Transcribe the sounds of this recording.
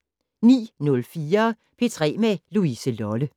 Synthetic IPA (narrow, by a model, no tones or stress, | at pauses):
nḭːnɔ̽lfiːɐ | pʰe̝t͡sʰʁɛ̰ːmeluisəlɒlə